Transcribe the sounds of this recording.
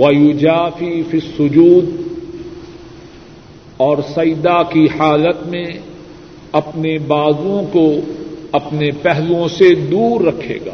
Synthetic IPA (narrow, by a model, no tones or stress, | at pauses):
wɐjʊd͡ʒaːfifisːʊd͡ʒuːd̪ | ɔːɾsɐjd̪akiħaːlət̪mẽ | ɐpnebaːzõkoɐpnepɛɦlõsed̪uːɾːɐkʰḛːɡa̰ː